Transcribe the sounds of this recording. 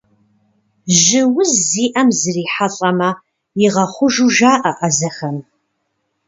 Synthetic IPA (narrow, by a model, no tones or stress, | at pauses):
ʒɪwʊzːiːʔɐmzɨriːħaɬʼɐmɐ | jɪʁɐχʷʊʒuʒaːʔɐʔɐzɐxɐm